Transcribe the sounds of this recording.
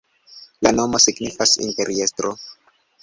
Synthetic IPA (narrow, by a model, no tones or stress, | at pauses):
lano̞mosiɡnifasḭnpe̞ɾie̞stɾo